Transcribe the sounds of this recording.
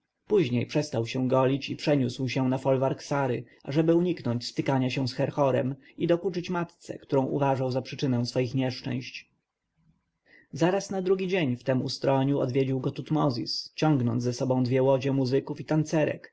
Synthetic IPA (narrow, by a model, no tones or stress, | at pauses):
puʑɲejpʂɛst̪awɕɛ̃ɡɔlʲit͡ɕipʂɛɲuswɕɛ̃nafɔlvaɾksaɾɘ̰ | aʐɛbɘuɲiknɔɲt͡ɕspɘkaɲaɕɛw̃sxɛɾxɔɾɛ̰m | id̪ɔkut͡ʂɘt͡ɕmat̪t̪sɛ̰kt̪uɾɔ̃w̃ʔṵvaʐawzapʂɘt͡ʂɘnɛw̃sfɔjixɲɛʂt͡ʂɛ̰̃w̃ɕt͡ɕ | zaɾasnad̪ɾuɡʲid͡ʑeɲft̪ɛmṵst̪ɾɔɲuɔ̰d̪vʲjed͡ʑiwɡɔt̪ut̪mɔzʲist͡ɕɔ̃ŋɡnɔnzɛsɔbɔ̃w̃d̪vʲjɛwɔd͡ʑɛmuzɘkufit̪ant̪sɛɾɛ̰k